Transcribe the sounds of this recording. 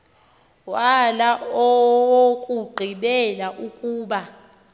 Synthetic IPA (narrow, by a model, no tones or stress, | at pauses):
walaɔwokʼuɡ͡ǃʱiɓɛlaʔukʼuːɓa